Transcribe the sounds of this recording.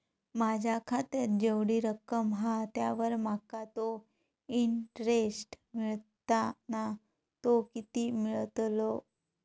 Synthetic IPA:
mad͡ʑʱakʰat̪eɾd͡ʑeʋɽiɾəkəmɦat̪jaʋəɾmakat̪o | iɳʈɾesʈ | miɭt̪ana | t̪okit̪imiɭt̪lo

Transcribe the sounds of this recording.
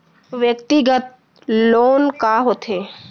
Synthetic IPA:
ʋjəkt̪iɡət̪̚ | loːnkaɦot̪ʰeː

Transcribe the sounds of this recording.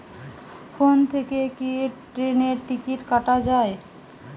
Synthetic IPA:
font̪ʰekekiʈɾeneɾʈikiʈkaʈad͡ʑae

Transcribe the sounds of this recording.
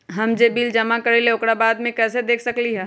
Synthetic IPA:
ɦɐmd͡ʒebiːld͡ʒɐmakɐɾeleʊkɽabaːd̪mẽkɛːsed̪eːkʰsɐkliɦɛː

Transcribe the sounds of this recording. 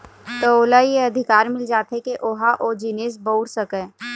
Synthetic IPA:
t̪əoːlajeɐd̪ʱɪkaːɾmɪld͡ʒaːt̪ekeʔoɦaʔod͡ʒiːnes̬bəʊɽsəkɛ̃ː

